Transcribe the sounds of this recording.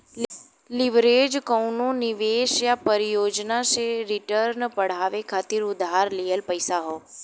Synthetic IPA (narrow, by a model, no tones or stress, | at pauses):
lɪʋɾeːd͡ʒkəʊnõnɪʋeːʃjapəɾɪjoːd͡ʒnaseɾɪʈəɾnpəɽ̤aːʋekʰaːt̪ɪɾʊd̪ʱaːɾlijəlpəɪsaɦoː